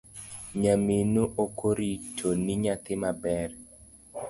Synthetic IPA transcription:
ɲaminoʔokʰoɾitʰoniɲat̪ɪmabɛr

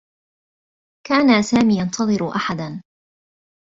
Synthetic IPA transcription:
kaːnasaːmiːjɑnt̪ʰɑðˤɨɾʊʔaħad̪an

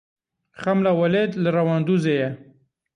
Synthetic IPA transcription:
xamlawaled̪laɾawɑnd̪uzeja

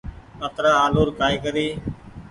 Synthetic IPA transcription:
kət̪ɾaːaːloːɾkaːiːkəɾiː

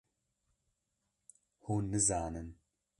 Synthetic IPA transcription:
huːnːɨzaːnɨn

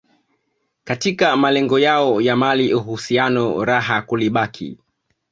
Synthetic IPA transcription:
katikamalɛŋɡɔjaɔjamaliʔuɦusianɔɾaɦakuliɓakʰḭ

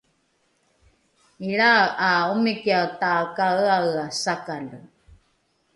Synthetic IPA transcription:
iɭaʔaumikiat̪akaaasakalə

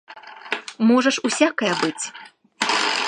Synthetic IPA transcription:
mɔʐɐʂusʲakɐjɐbɨt͡sʲ

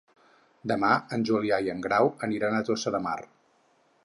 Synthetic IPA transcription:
d̪əmaənʲʒuliajəŋɡɾawəniɾanət̪osəðəma̰r

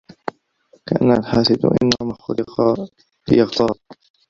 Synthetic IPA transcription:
kaʔanːaalħaːsɪd̪ʔɪ̰nːahʊmaxʊlɪ | jɑɣt̪ˤɑːɾˤ

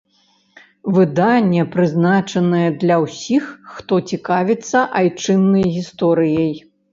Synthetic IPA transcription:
vɨd̪anʲːɛpɾɨznat͡ʂɐnɐjɛd̪lʲɐwsʲixːt̪ɔt͡sʲikavʲit̪sːɐʔajt͡ʂɨnːɐjɣʲist̪ɔɾɨjɐj

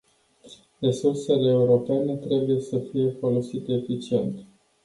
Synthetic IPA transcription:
re̞surse̞leːuɾo̞pe̞ne̞t̪ɾe̞buje̞səfije̞folo̞sit̪eefit͡ʃie̞nt̪

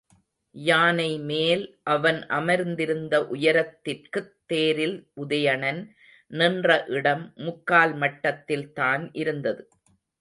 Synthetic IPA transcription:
jaːnɐɪmeːlʔɐʋɐnʔɐmɐɾnd̪ɪɾɯnd̪ɐʔʊjɐɾɐt̪ːɪrkɯt̪ːeːɾɪlʔʊðɐjɐɳɐn | nɪndrɐʔɪɽɐmːʊkːaːlmɐʈːɐt̪ːɪlt̪aːnʔɪɾɯnd̪ɐðɯ

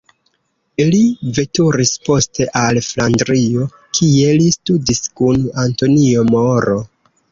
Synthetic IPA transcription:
ilive̞tuɾispo̞ste̞ʔalflandɾio̞ | kʰie̞listudiskunanto̞nio̞moɾo̞

